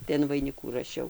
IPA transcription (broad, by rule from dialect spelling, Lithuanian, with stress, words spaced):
tɐɪ ɐn ʋɐɪˈnʲɪkuː rɐˈʃʲɛʊ